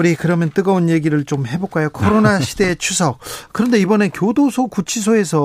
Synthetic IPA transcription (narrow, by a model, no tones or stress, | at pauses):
ɾikɯɾʌmjʌnt͈ɯɡʌonje̞ɡiɾɯɭt͡ɕomɦe̞bok͈ajokʰʌɾonaɕʰide̞ːt͡ɕʰusʰʌk̚k͈ɯɾʌnde̞ibʌnekjodosʰokut͡ɕʰis̬ʰoe̞sʰʌ